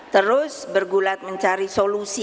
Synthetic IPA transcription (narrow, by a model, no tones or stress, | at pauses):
t̪əɾʊsbərɡulat̪̚məɲt͡ʃaɾisolusi